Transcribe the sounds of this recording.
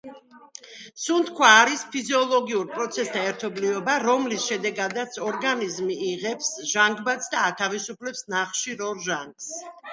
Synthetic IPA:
sunt̪kʰwaːɾispʰiziɔlˠɔɡiuɾpʼɾɔt̪sʰɛsd̪aɛɾt̪ʰɔblivɛbaɾɔmlisʃɛd̪ɛɡad̪at̪sʰɔɾɡanizmiːʁɛpsʒaŋɡbat̪sʰd̪aːt̪ʰavisupʰlɛpsnaχʃiɾɔɾʒaŋɡs

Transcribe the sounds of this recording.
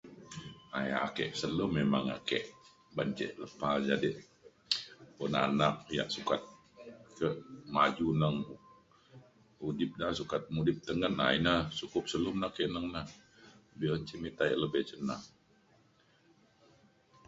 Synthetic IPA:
a̰ja̰ʔakɛ̰ʔsələmːemaŋa̰kɛ̰ʔ | baɲd͡ʒɛ̰ʔləpad͡ʒadiʔ | pɔnanaʔ̚ja̰ʔsukat̪̚ | kəʔmad͡ʒunəŋ | udɪp̚nasukat̪̚mudɪp̚t̪əŋəna̰inat͡ʃukʊp̚səlumnakɛʔnəŋna | biəɲt͡ʃimit̪aʔləbɛht͡ʃənaŋ

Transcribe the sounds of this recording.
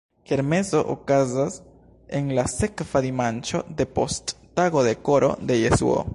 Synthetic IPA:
keɾme̞zo̞ʔo̰kazas | e̞nlase̞kv̥adimant͡ʃo̞̰de̞po̞stːaɡo̞de̞ko̞ɾo̞̰de̞jesṵo̰

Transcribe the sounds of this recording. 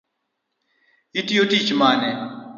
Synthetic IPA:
itiotit͡ʃmanɛ

